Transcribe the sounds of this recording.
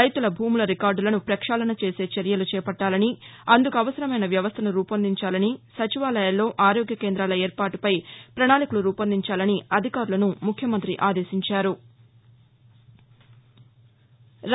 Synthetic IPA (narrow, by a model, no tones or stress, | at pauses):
ɐjt̪ulɐbʱuːmulɐɾikaːɾɖulɐnupɾɐkʂaːlɐnɐt͡ʃe̞ːse̞ːt͡ʃɐɾjɐlut͡ʃɛːpɐʈːaːlɐniɐnd̪ukuɐʋɐsɐɾɐmɐjnɐʋjɐʋɐst̪ʰɐnuɾuːpɐnd̪iɲt͡ʃaːlɐnisɐt͡ʃiʋaːlɐjɐlːo̞ːʔaːɾoːɡjɐkeːnd̪ɾaːlɐeːɾpaːʈupɐjpɾɐɳaːlikuluɾuːpɐnd̪iɲt͡ʃaːlɐniɐd̪ʱikaːɾulɐnumukʰjɐmɐnt̪ɾiʔaːd̪e̞ːsiɲt͡ʃaːɾu | ɾ